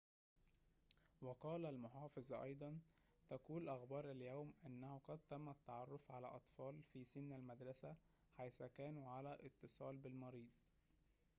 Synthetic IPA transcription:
wɑqɑːlælmʊħɑːfɪzˤʔɑ̰jd̪ˤɑnt̪ækuːlʔɑxbɑːɾˤæljæwmʔænːæhʊqɑd̪̚t̪æmːæt̪ːɑʕɑrˤːofʕalæ̰ːʔɑt̪ˤfɑːlfisɪnːælmæd̪ɾˤɑsæ | ħajθækæːnuʕalæʔɪt̪ːɨsˤɑːlbɪlmɑɾiːd̪̚ˤ

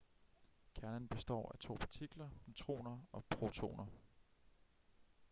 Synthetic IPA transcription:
kʰæɐnənb̥e̝sd̥ɒ̰ːæt͡sʰo̝̰ːpʰɑt͡sʰiɡ̥lɐnit͡sʰʁo̝̰ːnɐɒ̽pʰʁo̝t͡sʰo̝̰ːnɐ

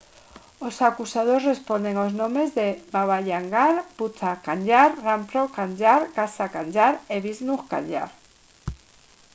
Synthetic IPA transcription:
osakusaðozre̞spo̞nd̪eŋoznõmezðebaβ̞aʎaŋɡaɾput̪akaɲʎaɾrampɾokaɲd͡ʒaɾkasakaɲd͡ʒaɾeβiznuxka̰ɲʎa̰ɾ

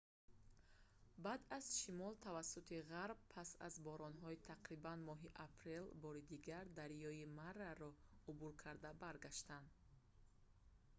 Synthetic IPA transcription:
bad̪az̥ʃimɔlt̪ʰavasːut̪ʰiʁaɾb̚pʰasa̰zbɔɾɔnɦɔit̪ʰaqɾibanmɔɦiʔapʰɾe̞lbɔɾid̪iɡaɾd̪aɾjɔimarːaɾɔubuɾkʰaɾd̪abaɾɡaʃt̪and̪

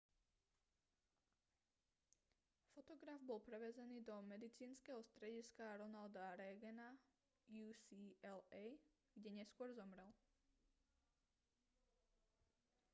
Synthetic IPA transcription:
fɔt̪ɔɡɾavbɔlpɾɛʋɛzɛniːd̪ɔmɛd̪it͡siːnskɛɦɔst̪ɾɛɟiskaɾɔnald̪aɾɛɡɛna | juːsiɛlɛj | ɡ̥ɟɛɲɛskʊɔɾzɔmɾɛl

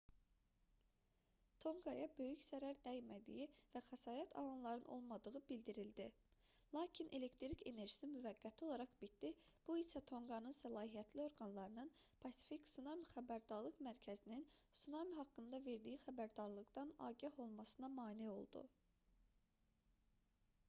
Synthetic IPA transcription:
t̪ʰo̞ŋɡɑjɑbø̞jyçzæɾæɾd̪æjmæd̪ḭjivæχæsɑːɾæt̪ʰɑ̰lˠɑnlˠɑɾɯnʔo̞̰lˠmɑd̪ɯʁɯbild̪iɾild̪i | lˠɑːcʰinʔe̞le̞kt̪ɾicʰe̞ne̞ɾʒi̥simyvæɡːæt̪ʰio̞lˠɑɾɑχbit̪̚d̪ib̥uisæt̪ʰo̞ŋɡɑnɯnsælˠɑːɦijæt̪ʰlio̞ɾɡɑnlˠɑɾɯnɯnpʰɑsi̥ficsunamiχæbæɾd̪ɑɾlˠɯqmæɾcʰæzininsunɑmɦɑkːɯnd̪ɑve̞ɾd̪ijixæbæɾd̪ɑɾlˠɯɡd̪ɑnɑ̰ːɟæho̞lˠmɑsɯnɑmɑːnio̞̰lˠd̪ṵ

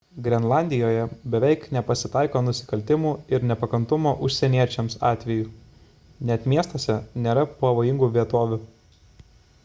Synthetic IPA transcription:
ɡɾʲɛnlˠɑˑnʲd̪ʲɪjoːjɛbʲɛʋʲɛɪknʲɛpɐsʲɪt̪ɑˑɪkoːnʊsʲɪ̥kɐlʲt̪ʲɪmuːɪɾnʲɛpɐkɐnt̪ʊmoːʔʊʃʲsʲɛnʲiɛt͡ʃʲɛmsɑːt̪ʲʋʲɛjuː | nʲɛt̪mʲiɛst̪oːsʲɛnʲeːɾɐpɐʋoːjɪŋɡuːʋʲiɛt̪oːʋʲʊ

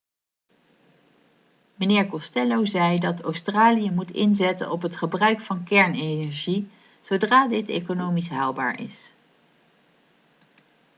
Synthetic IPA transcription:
mənɪːɹkɔstɛlowzɛjdɑtowstraːlijəmutɪnzɛtə̰nɔpɦətχəbrœɥkfɑnkɛɹnenɛɹʒi | z̥owdraːdɪtḛjkonowmisɦaːlˠba̰ːɹɪ̰s

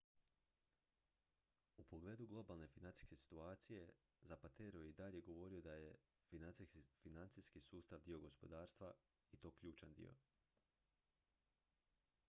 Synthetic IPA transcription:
upo̞ɡle̞ːd̪uɡlˠo̞balˠne̞finant̪i̥skesi̥t̪uaːt̪sije̞ | zapat̪eɾojeid̪aʎje̞ɡo̞ʋo̞ɾio̞d̪aje̞ | finant̪ifinant̪siskisuːst̪aʋd̪io̞ɡo̞spo̞̰d̪aːɾst̪ʋa | it̪o̞ːkʎuːt͡ʃand̪ḭo̞̰

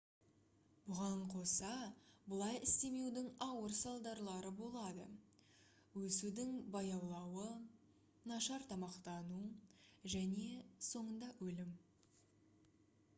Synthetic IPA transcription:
bʊʁɑɴqʰo̞sɑbəlˠɑjɪst̪e̞me̞wd̪ɪŋɑwəɾsɑlˠd̪ɑɾlˠɑɾəbo̞lˠɑd̪ə̰ | wɵsud̪ɪŋbɑjɑwlˠɑwə | nɑʃɑɾt̪ʰɑmɑqt̪ɑnuʒæne̞so̞ɴənd̪ɑwɵlɪm

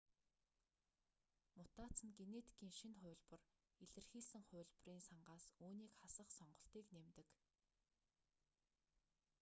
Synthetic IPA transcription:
mʊt̪aːt͡sə̆nɡenet̪ʰkʰiːŋʃinχʊ̟ːɮpə̆r | iɮɘ̆rxiːɮsɘ̆ŋχʊ̟ːɮʲp̆riːnsaɴɢaːsuːniːkχasə̆χsɔɴɢɞ̆ɬt̪iːknemt̪ɘ̆k

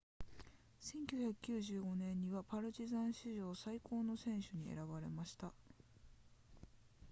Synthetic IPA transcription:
sẽ̞ŋkʲɨːçakɯ̟̥kʲɨːʑɨːɡo̞nẽ̞ɲ̟ːiβapaɾɯ̟d͡ʑizãɰ̃ɕiʑo̞ːsaiko̞ːno̞sẽ̞ɰ̃ɕɨɲ̟iḛɾaβaɾe̞̰maɕi̥t̪a

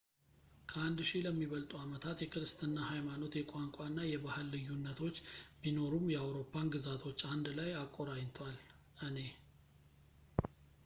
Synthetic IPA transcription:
kʰəand̪ʃiləmːiβəlt̪ʼuamət̪ʰat̪jɛkʰɨɾɨst̪ʰɨnːahajmano̞t̪jɛkʷʼaŋkʷʼanːajɛbahɨlːɨjːunːət̪ʰo̞t͡ʃːbino̞ɾumjɛawɾo̞pʰːanɡɨzat̪ʰo̞t͡ʃːand̪lajakʼːo̞ɾaɲt̪ʰwal | ʔɨne̞

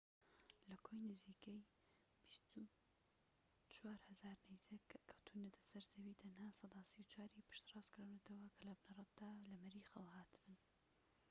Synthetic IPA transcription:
lɐkʰojnɨziːkej | b̥ist̪u | t͡ʃʰwaːɾhɐzaːɾnejzekːkʰːɐwt̪ʰunɐt̪ʰɐ̥sɐɾzɐwit̪ʰɐnhaːsˤɑd̪aːsiwt͡ʃʰaːɾipʰɨ̥ʃt̪rɑzkɾaːwnɐt̪ʰɐwɐkʰɐlɐbnɐrˤɑt̪̚d̪̥aːlɐmɐɾiːxɐwhaːt̪ʰɨbɨn

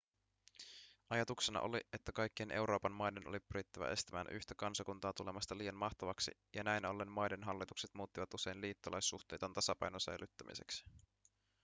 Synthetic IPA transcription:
ʔɑjɑt̪ukse̞nɑ̰ʔo̰lie̞t̪ːækɑjkːienʔe̞wɾo̞ːpɑnmɑjde̞no̰lipyɾit̪ːæʋæ̰ʔe̞st̪æmæ̰ːnʔyçt̪ækɑnsɑkunt̪ɑːt̪ule̞mɑst̪ɑliːjɑnmɑht̪ɑʋɑksḭjɑnæjnɑlːenmɑjde̞nɦɑlːit̪ukset̪muːt̪ːiʋɑt̪use̞jnliːt̪ːolʔɑjsːuxt̪e̞ːjt̪ɑnt̪ɑsɑpɑ̰jnosæ̰jlyt̪ːæmḭse̞̰ksi̥

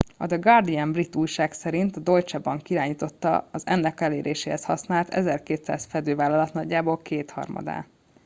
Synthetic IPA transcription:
ɒd̪ɛɡɒrd̪iɛmbrit̪ːuːjʃaːksɛɾint̪ɒd̪o̞jt͡ʃɒbɒŋkiɾaːɲiːt̪o̞t̪ːɒ̰ɒzɛnːɛkɛleːɾʔeːʃeːhɛshɒsnaːlt̪ʰɛ̰zɛrkeːt̪sa̰ːzfɛd̪øːvaːlːɒlɒt̪nɒɟːaːboːlkeːt̪hɒ̰rmɒ̰d̪a̰ː

